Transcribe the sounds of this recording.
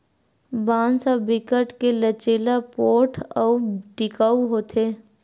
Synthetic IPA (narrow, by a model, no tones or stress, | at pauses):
baːnsabɪkəʈkelət͡ʃeːlapoːʈʰɔʈɪkaːuɦoːt̪ʰeː